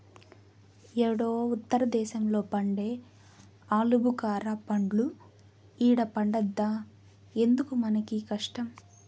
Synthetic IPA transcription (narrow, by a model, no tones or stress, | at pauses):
ɛɽoːut̪ːɐɾɐd̪ɛːʃɐmlo̞ːpɐɳɖeː | aːlubukaːɾɐpɐɳɖlu | iːɽɐpɐɳɖɐd̪ːaː | e̞nd̪ukumɐnɐkikɐʂʈɐm